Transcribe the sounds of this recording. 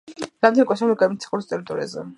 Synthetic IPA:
ɾamd̪ɛnɛkʼɛsamiɡamit̪sʰḁχuɾist̪ʼɛɾit̪ʼɔɾḭa̰zɛ̰

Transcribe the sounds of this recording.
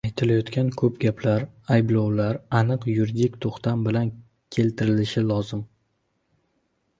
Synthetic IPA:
ajt̪ʰɪlajɒt̪kʲʰankʰɵpɡʲapʰlaɾajblˠɒwlaɾanɨqjuɾid̪ikʲt̪ʰoχt̪ʰambɪlan | kʲʰe̞lt̪ʰɪɾɪlɪʃɪlˠɒzɪm

